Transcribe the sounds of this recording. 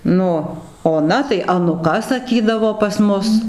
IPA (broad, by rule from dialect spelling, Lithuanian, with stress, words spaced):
ˈnʊ oːˈnɐ tɐɪ ɐnʊˈkɐ sɐˈkʲiːdɐʋoː pɐs ˈmʊs